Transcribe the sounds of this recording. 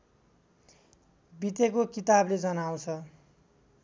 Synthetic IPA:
bit̪ekokit̪abled͡zʌnaw̃t͡sʰʌ

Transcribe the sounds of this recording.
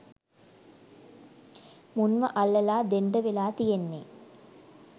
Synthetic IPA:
mʊnmɐʔɐɭːɐlaːd̪eɳɖɐʋɪlaːt̪ijenːeː

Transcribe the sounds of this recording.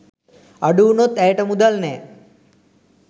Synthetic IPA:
əɖuːnot̪ɛʈəmud̪əlne

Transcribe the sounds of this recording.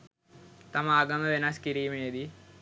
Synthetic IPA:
t̪ɐmaːɡɐnːɐʋenaskiɾijmeːd̪i

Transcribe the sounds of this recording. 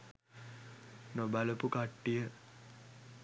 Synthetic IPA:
nobæləpukaʈːijə

